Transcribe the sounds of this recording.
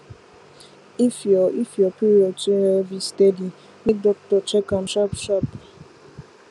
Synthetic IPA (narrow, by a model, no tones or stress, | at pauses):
ifɔifjɔpiɾɔt͡ʃeɾɛvistedi | mik̚dɔk̚tɔt͡ʃɛkamʃapʃap